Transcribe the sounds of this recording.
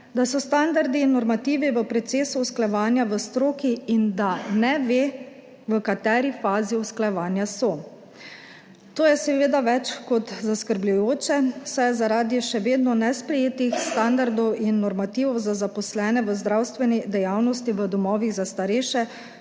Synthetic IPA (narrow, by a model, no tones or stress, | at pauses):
d̪asɔst̪and̪aɾd̪inːɔɾmat̪iːʋiʋəpɾɔt̪seːsuɔsklajɛʋaːnjaʋəst̪ɾoːkiind̪anɛʋe | ʋəkat̪ɛːɾifaːziɔsklajɛʋaːnjasɔ | t̪oːjɛsɛʋeːd̪aʋɛt͡ʃkɔt̪zaskəɾblujoːt͡ʃɛsajɛzaɾaːd̪iʃɛʋeːd̪nɔnɛspɾɛjeːt̪ixst̪and̪aɾd̪ɔwinːɔɾmat̪iːʋɔwzazapɔslɛːnɛʋəzd̪ɾawst̪ʋɛnid̪ɛjawnɔst̪iʋəd̪ɔmɔːʋiɣzast̪aɾeʃɛ